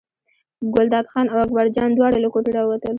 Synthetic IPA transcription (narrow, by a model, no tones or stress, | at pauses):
ɡʊld̪ɑd̪xɑnawakbaɾd͡ʒɑnd̪wɑɽalakoʈeɽɑwat̪əl